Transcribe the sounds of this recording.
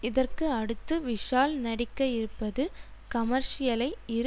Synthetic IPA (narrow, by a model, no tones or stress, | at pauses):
ɪðɐrkɯɐɽɯt̪ːɯʋɪʂaːlnɐɽɪkːɐɪɾɯpːɐðɯ | kɐmɐɾʂɪjɐlɐɪɪɾ